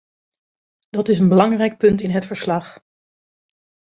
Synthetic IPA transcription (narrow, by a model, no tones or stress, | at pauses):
d̥ɑtɪsənbəlɑŋrɛjk̚pɵntɪnɦətfəɹslɑχ